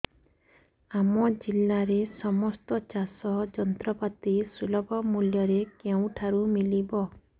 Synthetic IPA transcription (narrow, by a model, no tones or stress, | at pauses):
amɔd͡ʒilːaɾesɔmɔst̪ɔt͡ʃasɔd͡ʒɔnt̪ɾɔpat̪isɾilɔbɔmuljɔɾekew̃ʈʰaɾumilibɔ